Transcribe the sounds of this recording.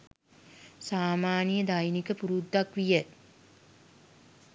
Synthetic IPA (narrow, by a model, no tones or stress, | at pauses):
saːmaːnijəd̪ajnikəpuɾud̪ːakʋijə